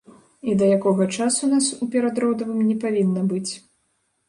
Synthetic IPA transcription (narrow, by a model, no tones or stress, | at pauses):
id̪ɐjakɔɣɐt͡ʂasunasupʲɛɾad̪ɾɔwd̪ɐvɨmnʲɛpavʲinːɐbɨt͡sʲ